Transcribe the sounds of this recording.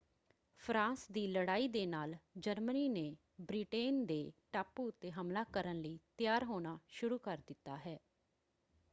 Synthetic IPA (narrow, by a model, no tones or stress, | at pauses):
pʰɾãːnsd̪iːləɽaːiːd̪eːnaːld͡ʒəɾməniːneː | bɾiːʈeːnd̪eːʈaːpːuːʊt̪ːeːɦəmlaːkəɾənləiːt̪ɪjaːɾɦoːñaːʃʊɾuːkəɾd̪ɪt̪ːaːɦɛː